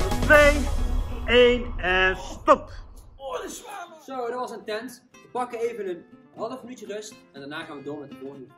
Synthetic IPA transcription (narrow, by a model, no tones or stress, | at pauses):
tʋej | ejnstɔp | sowdɑtʋɑsəntɛnt | ʋəpɑkənejvənən | ɦɑlˠəfmənytərɵstɛndanaːχaːnʋədoːmɛtəpodə